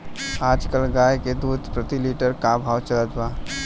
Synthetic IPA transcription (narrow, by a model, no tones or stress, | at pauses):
ad͡ʒkəlɡajked̪ud̪ʱpɾət̪iliʈəɾkabʱawt͡ʃələt̪ba